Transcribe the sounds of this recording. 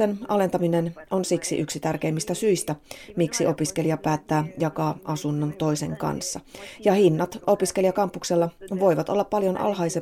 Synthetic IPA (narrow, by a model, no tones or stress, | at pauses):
enɑle̞nt̪ɑmineno̞nsiksḭʔyksit̪ærke̞imːist̪æsyist̪æmiksiʔo̞piske̞liɑpæːt̪ːæːjɑkɑːʔɑsunːont̪o̞jse̞ŋkɑ̰nsːɑjɑhinːɑt̪o̞piskelijɑkɑmpːukselːɑʋo̞jʋɑt̪o̞lːɑppɑljo̞nʔɑ̰lɦɑjse